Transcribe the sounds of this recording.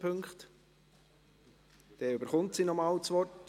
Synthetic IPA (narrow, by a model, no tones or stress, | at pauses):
pʰɵŋkχt | d̥ɛybəɾχʊntsiːnɔmɑːlt͡sʋɔrt